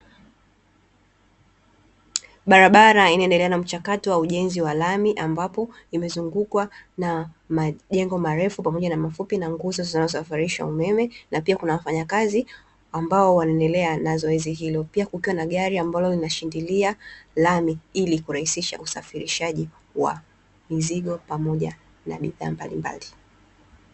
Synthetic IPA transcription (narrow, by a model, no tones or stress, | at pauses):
ɓaɾaɓaɾainaɛndɛlɛanam̩t͡ʃakatɔwauʄɛnziwalamiʔambapɔ | imɛzuŋɡukwana | maʄɛŋɡɔmaɾɛfupamɔʄanamafupinaŋɡɔzɔzinazɔsafaɾiʃa̰umɛmɛnapiakunawafaɲakazi | ambaɔwanaɛndɛlɛanazɔɛziɦilɔpiakukiwanaɠaɾiambalɔlinaʃindilialamiilikuɾahisiʃa̰usafiɾiʃaʄi | wa̰ | miziɠɔpamɔʄa | na̰ɓiða̰ːmbalimba̰li